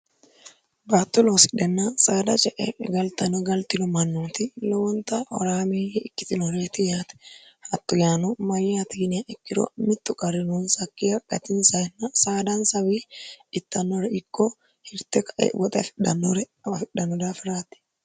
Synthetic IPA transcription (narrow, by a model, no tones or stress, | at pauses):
baːt̪ːʊloːsɪ̥ᶑɛnːasaːd̪ɐt͡ʃʼɛʔɛ̰ɡɐlt̪ɐnɔɡɐlt̪ɪlɔmɐnːuːt̪ɪlɔwɔnt̪aɔ̰ɾaːmeːjɪkːɪ̥t̪ɪnɔɾeːt̪ɪjaːt̪ɛ̥ | hɐt̪ːʊjaːnumɐjːat̪iːnɪaʔɛkːɪɾɔ̰mɪt̪ːʊkʼɐɾɪnuːnsɐkːɪjɐkʼːɐ̰t̪ɪnsɐɛnːasaːd̪ansɐbiːɪt̪ːɐnːɔɾɛɪkːɔ | hɪɾt̪ɛkɐʔɛ̰wɔt̪ʼɛfɪᶑɐnɔɾɛ | fɪᶑːɐnɔd̪afɪɾaːt̪ɪ̥